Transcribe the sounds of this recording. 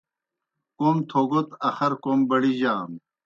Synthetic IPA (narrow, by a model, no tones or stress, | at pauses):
komt̪ʰoːɡot̪ɐxɐɾkombɐɽiʑaːm